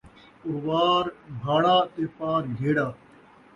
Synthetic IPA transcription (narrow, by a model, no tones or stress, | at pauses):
ʊɾʋaːɾbʱaːɽaːt̪eːpaːɾɡʱeːɽaː